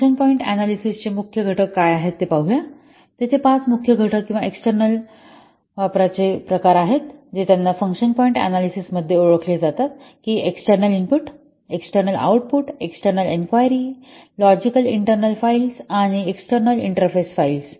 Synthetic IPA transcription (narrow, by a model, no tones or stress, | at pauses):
ənpɔiɳʈæ̰nalisist͡ɕemukʰjəɡʱəʈəkːajaɦet̪ːepaɦuja | t̪et͡sʰepat͡smukʰjəɡʱəʈəkːĩw̃ʋaeksʈəɾnəl | ʋapɾat͡sepɾəkaɾaɦet̪d͡ʑet̪janːafəŋkʂənpɔiɳʈæ̰nalisisməd̪ʱːjeoɭəkled͡zat̪at̪kiːeksʈəɾnəlimpuʈ | eksʈəɾnəla̰wʈ̚puʈeksʈəɾnəlenkʋajəɾi | lɔd͡ʑikəliɳʈəɾnəlfailsaɽ̃ieksʈəɾnəlḭɳʈəɾfesfails